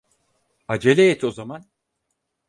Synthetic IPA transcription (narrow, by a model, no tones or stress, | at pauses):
ad͡ʒelʲejɛt̪ʰo̞zaman